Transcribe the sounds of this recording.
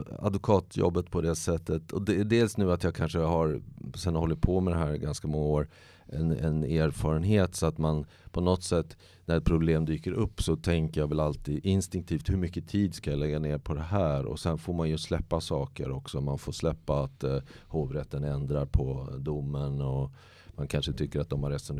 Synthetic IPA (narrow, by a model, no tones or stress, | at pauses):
a̰d̪vʊkʰɑːt̪jɔ̰bːət̪pʰɔd̪ɛsɛt̪ːət̪ɔd̪ɛːɖeːlsnʉ̟ːat̪jɑːɡkʰanʂəɦaɾsɛnːhɔlːɪt̪̚pʰɔmɛd̪ɛɦæːɾɡanskamɔŋːaoːɾ | ʔɛnɛneːɾfɑːɾənɦeːt̪sɔat̪man | pʰɔnɔt̪sɛt̪ː | næɾɛt̪̚pʰɾʊbleːmd̪yːkəɾʔɵpːsɔt̪ʰɛŋkəɾjaːvɛlalt̪iːd̪ɪnst̪ɪŋk̚t̪ʰiːft̪hɵɾmʏkːət̪ʰiːd̪skajalɛɡːaneːɾpʰɔd̪ɛɦæːɾɔ̰sɛnfoːɾmanjɵslɛpːasɑːkə̰ɾɔksɔmanfoːɾslɛpːaːt̪hoːvɾɛt̪ːənɛnd̪ɾaɾpʰɔd̪ʊmːənɔ | mankʰanʂət̪ʰʏkːəɾat̪̚d̪ɔmhaɾɛt̪sɔn